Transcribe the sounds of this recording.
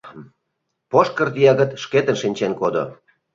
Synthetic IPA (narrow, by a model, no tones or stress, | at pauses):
poʃkə̆rt̪ijɑɣə̆t̪ʃket̪ə̆nʃinʲt͡ɕenkod̪o̰